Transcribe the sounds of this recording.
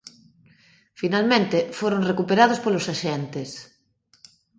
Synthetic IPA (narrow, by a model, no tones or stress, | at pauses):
finalmẽnt̪efoɾõnrekupeɾað̞ospolosaʃent̪es